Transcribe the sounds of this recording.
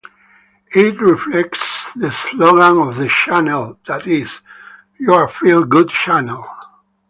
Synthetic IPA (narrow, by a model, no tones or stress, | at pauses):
ɪtɹiflɛk̚tsðɨsloɡɪ̃ŋɔvðɨʃænəlˠðætɪz̥ | jɔ˞fɹilɡʊd̚t͡ʃænlˠ